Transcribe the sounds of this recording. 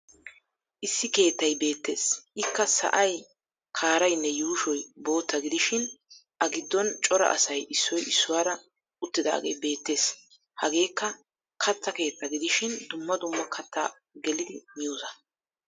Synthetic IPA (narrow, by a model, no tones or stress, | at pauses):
ʔɪsːɪke̞ːt̪ːɐjbe̞ːt̪ːe̞ːsʔɪkːɐsɐ̰ʔɐj | kʰaːɾɐjnːɛjuːʃɔjbo̞ːt̪ːɐɡɪd̪ɪʃɪnʔɐɡɪd̪ːɔnt͡ʃʼɔɾɐ̰ʔɐ̰sɐjʔɪsːɔjɪsːʊwaːɾɐ | ʊt̪ːɪd̪a̰ːɡe̞̰jbe̞ːt̪ːe̞ːs | hɐɡe̞ːkːɐ | kʰɐt̪ːɐke̞ːt̪ːɐɡɪd̪ɪʃɪnd̪ʊmːɐd̪ʊmːɐkʰɐt̪ʰːa̰ː | ɡɛlɪd̪ɪmɪjuːzɐ